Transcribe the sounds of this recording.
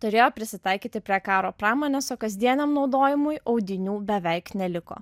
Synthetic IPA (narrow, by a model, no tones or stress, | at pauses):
t̪ʊɾʲeːjoːpʲɾʲɪsʲɪt̪ɑɪkʲiːt̪ʲɪpʲɾʲiɛkɑːɾoːpɾɑːmoːnʲɛsoːkɐzʲd̪ʲiɛnʲɐmnɒʊd̪oːjɪmʊjʔɐʊɡ̪ʲɪnʲuːbʲɛʋʲɛɪknʲɛlʲɪko̰ː